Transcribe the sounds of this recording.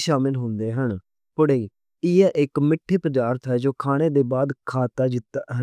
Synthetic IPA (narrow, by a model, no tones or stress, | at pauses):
ʃaːmɪlɦõːnd̪eːɦəɳ | pʊɽeiː | ɪɛːʔɪkmɪʈʰːeːpəd̪aːɾt̪ɦɛːd͡ʒoːkʰaːɽ̃eːd̪eːbaːd̪kʰaːt̪aːd͡ʒɪt̪ːaːɦə